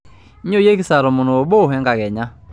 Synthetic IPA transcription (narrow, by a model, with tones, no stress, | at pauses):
ɲo˦je˦kɪ˦sa˨ɾɔ˨mʊ˨no˨o˨bo˦˨ɦɛ˦ŋɡa˨kɛ˨ɲa˦